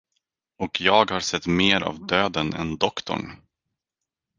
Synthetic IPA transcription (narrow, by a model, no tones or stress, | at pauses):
ɔkʰjɑːɡhaɾsɛt̪ːmeːɾa̰vd̪øːd̪ənɛ̰nd̪ɔkt̪ɔ̰ɳ